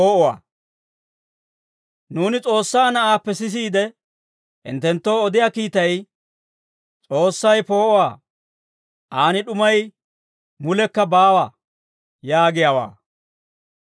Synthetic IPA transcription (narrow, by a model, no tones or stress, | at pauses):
oːʔɔwa̰ː | nuːnɪt͡sʼo̞ːsːaːnɐʔaːpːɛsɪs̬iːd̪ɛ | ʔɪ̰nt̪ːɛnt̪ːo̞ːɔd̪ɪjaːkiːt̪ɐj | t͡sʼo̞ːsːɐjpo̞ːʔɔwa̰ː | ʔaːnɪɗʊmɐj | mʊlɛkːɐbaːwa | jaːɡɪjawa̰ː